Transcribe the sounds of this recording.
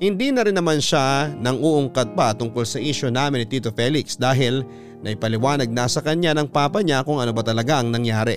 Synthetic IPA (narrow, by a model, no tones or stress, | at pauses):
hɪnd̪inɐɾɪnːɐmanʃanɐŋuʔʊŋkɐd̪̚pɐt̪ʊŋkolsɐʔiʃo̞naːmɪnɪt̪iːt̪ofɛlɪksd̪aːɦɪl | nɐʔɪpɐlɪwaːnɐɡ̚nɐsɐkɐɲanɐŋpaːpɐɲakʊŋɐno̞bɐt̪ɐlɐɡaʔɐŋnɐŋjaːɾɛ̰